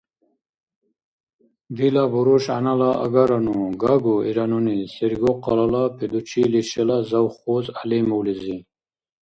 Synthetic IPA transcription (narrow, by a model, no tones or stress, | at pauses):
b̪ilabuɾuɕa̰nalaa̰ɡaɾanuɡaɡuiɾanunisiɾɡoqalalapʰid̪ut͡ɕʰiliɕelazawχozalimuwlizi